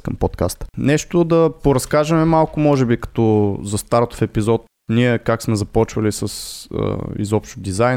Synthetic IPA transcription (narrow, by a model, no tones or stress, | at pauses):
kəmpot̪kast̪ə̥nɛʃt̪od̪ɐpoɾɐskaʒɐmɛmalˠkʊmɔʒɛbikɐ̥t̪ɔzɐst̪aɾt̪o̥fɛpizɔt̪ | niɛkaksmɛzɐpɔt͡ʃvəlisəsə̰ḭzɔpʃt̪ʊd̪izaj